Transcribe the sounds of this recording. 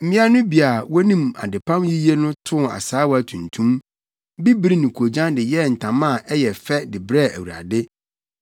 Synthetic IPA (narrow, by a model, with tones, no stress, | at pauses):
m̩˦mĩ˦a˦nʊ̃˦bi˨a˨wɔ˦nĩ˦ma̰˨dɪ˨pʰã˦mji˦je˦nʊ̃˦tʰʊ̃˦˨a̰˨saː˨˦wɔ˦a˨tʰũ˨ntʰũ˦m | bi˦bi˦ɾi˦nĩ˨kʰo˨d͡ʑã˦ndɪ˨jɛ˦˨n̩˨tʰã˨mã˦˨ʔɛ˦jɛ˨fɛ˦dɪ˨bɾɛ˦˨æ̰˨wu˨ɾa̰˨dɪ˦